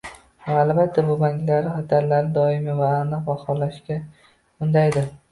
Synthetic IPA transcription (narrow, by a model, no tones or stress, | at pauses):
vaːlˠbat̪ʰːabʊbaŋkʲlaɾɪχat̪ʰaɾlaɾɪd̪ɒɪmɪvaːnɨqbɒhɒlaʃkʲa | ʊnd̪ajd̪ɪɾ